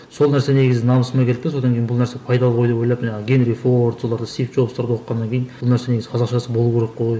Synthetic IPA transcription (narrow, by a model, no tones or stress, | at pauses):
so̞lˠnæɾsene̞ɡʲɪzɪnɑməsmɑkʰʲe̞lɪpt̪eso̞d̪ɑŋkʲejɪnbʊlˠnæɾsepʰɑjd̪ɑlˠəʁʰo̞jd̪epojlˠɑpʒɑɴɡʲe̞nɾifoɾt̪so̞lˠɑɾd̪əst̪ijfʒo̞bsɑɾd̪ɑo̞qqːɑnːɑŋkʲʰejinblˠnæɾseeɡɪzɪqʰɑzɑqʃɑsəbo̞lˠuwkʲʰeɾeqːoj